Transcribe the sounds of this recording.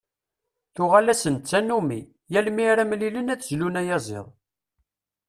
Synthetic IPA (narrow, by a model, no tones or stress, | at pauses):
θʊʁalæsənt͡sːænːumi | jælmiɾæmlilənæt͡sːzlunæjɑzˤḛðˤ